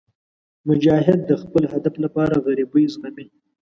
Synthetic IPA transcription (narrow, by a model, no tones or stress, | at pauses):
mʊd͡ʒɑɦɪd̪̚ːəxpəlhad̪aflapɑɾaɣaɾibujzɣami